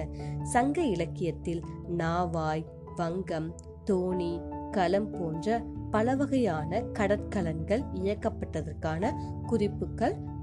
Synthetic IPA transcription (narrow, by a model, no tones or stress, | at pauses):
sɐŋɡɐɪlɐkːɪjɐt̪ːɪlnaːʋaːj | ʋɐŋɡɐm | t̪oːnikɐlɐmpoːndrɐpɐlɐʋɐɣɐjaːnɐkɐɽɐt̪̚kɐlɐnɡɐɭɪjɐkːɐpːɐʈːɐðɐrkaːnɐ | kʊrɪpːɯkːɐɭ